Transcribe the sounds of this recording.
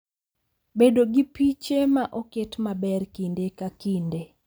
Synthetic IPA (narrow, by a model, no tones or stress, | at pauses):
bedoɡipit͡ʃemaʔoketmabɛrkindekakinde